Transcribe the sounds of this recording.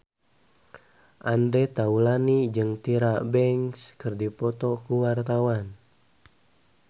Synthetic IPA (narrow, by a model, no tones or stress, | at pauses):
ʔandɾɛt̪aulanid͡ʒɨŋt̪iɾabɛŋskɨrdipɔt̪ɔkuwart̪awan